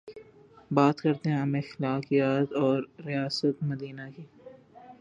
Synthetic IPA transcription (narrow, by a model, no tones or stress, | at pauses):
baːt̪kɐɾt̪eɦɛ̃ɐmexɪlaːkijaːt̪ɔːɾːijaːsət̪mɐd̪iːnakiː